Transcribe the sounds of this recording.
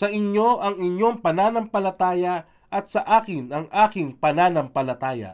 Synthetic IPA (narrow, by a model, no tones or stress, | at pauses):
sɐʔɪɲo̞ʔɐŋɪɲjo̞ŋpɐnaːnɐŋpɐlɐt̪aːjɐ | ʔɐt̪sɐʔaːkɪnɐŋʔaːkɪŋpɐnaːnɐmpɐlɐt̪aːjɐ̰